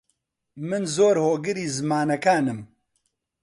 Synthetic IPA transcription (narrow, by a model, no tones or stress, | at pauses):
mɨnzoːɾhoːɡɨɾiːzɨmaːnɐkaːnɨm